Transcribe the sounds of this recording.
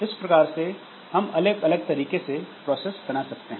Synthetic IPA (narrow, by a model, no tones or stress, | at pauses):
ɪspɾɐkaːɾse | hɐmɐləɡɐləɡ̚t̪ɐɾiːkesepɾɔːsesbɐnasɐk̚t̪eɦɛ̃ː